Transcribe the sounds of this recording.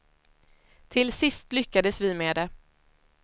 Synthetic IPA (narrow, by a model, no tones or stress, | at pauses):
t̪ʰɪlsɪst̪lʏkːad̪əsvɪmeːd̪ɛ